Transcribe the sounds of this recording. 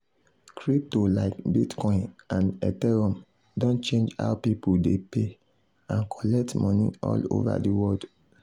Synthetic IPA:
kɹip̚tolaɪkbitkɔ̃ɪ̃nãnɛtɛɹɔ̃m | dõnt͡ʃẽnd͡ʒa̰ʊpipuldepe | ãnkʰɔlɛk̚tmɔ̃nḭ̃ɔ̰lo̰va̰diwɔld

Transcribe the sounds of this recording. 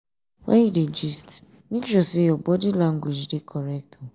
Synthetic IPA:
wa̰iɾed͡ʒist | mikʃɔsijɔbɔdilãŋɡwed͡ʒdekʰɔɾɛk̚tɔ

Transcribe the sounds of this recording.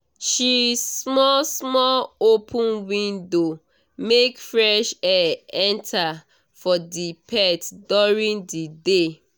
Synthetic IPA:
ʃismɔlsmɔlopʰũnwĩndo | mekfɹɛʃɛɛ̃ntʰa | fɔdipʰɛtduɹĩndide

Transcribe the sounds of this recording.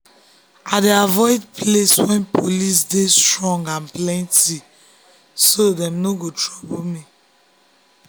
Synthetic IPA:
adeavɔɪdpʰleswɛ̃npʰolisdestɹɔ̃ŋɡãnplɛ̃nti | sodɛ̃mnoɡotʰɹɔbolmi

